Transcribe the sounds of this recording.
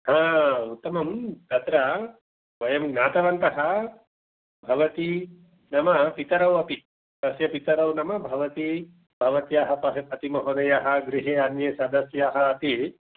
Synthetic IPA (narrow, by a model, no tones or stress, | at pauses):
ɦãːut̪ːɐmɐmt̪ɐt̪ɾɐ | ʋɐjɐmnaːt̪ɐʋɐnt̪ɐɦɐ | bʱɐʋɐt̪i | nɐmɐpit̪ɐɾɐwɐpi | t̪ɐsjɐpit̪ɐɾɐwnɐmɐbʱɐʋɐt̪i | bʱɐʋɐt̪jaːɦɐpɐɦɐpɐt̪imɐɦoːnɐjaɦɐɡɾiɦeːanjeːsɐd̪ɐsjaɦɐːt̪i